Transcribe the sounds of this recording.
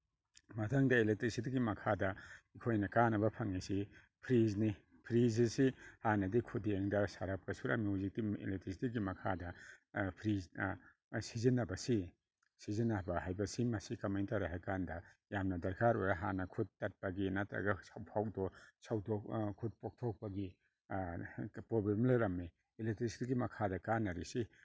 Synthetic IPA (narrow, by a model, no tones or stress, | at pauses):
mɐtʰaŋdɐelek̚tɾisitiɡimɐkʰadɐikʰojnɐkanɐbɐpʰɐŋisi | pʰɾizni | pʰɾizisihanɐdikʰudeŋdɐsaɾap̚kɐsuɾʔa̰miuzik̚tiḛlek̚tɾisitiɡimɐkʰadɐpʰɾiznɐ | sizinɐbɐsi | sizinːɐbɐhajbɐsimɐsikɐmajntaɾaɦakandɐjamnɐdɐɾkʰaɾojɾaɦa̰nɐkʰut̚tːat̚pɐɡinatɾa̰ɡɐsawpʰawk̚dɔsawtokkʰut̚pok̚tʰok̚pɐɡi | pɾobemlaɾɐmːi | elek̚tɾisi̥tiɡimɐkʰadɐkanːɐɾisi